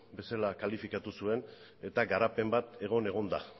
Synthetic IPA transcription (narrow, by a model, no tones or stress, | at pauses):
be̞salakalifikat̪usue̞n | e̞t̪aɡaɾape̞mbat̪e̞ɣ̞o̞ne̞ɣ̞o̞nd̪a̰